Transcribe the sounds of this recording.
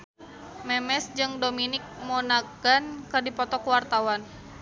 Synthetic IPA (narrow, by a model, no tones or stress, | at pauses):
mɛmɛsd͡ʒɨŋdominɪk̚monaɡ̥ankɨrdipɔt̪ɔkuwart̪awan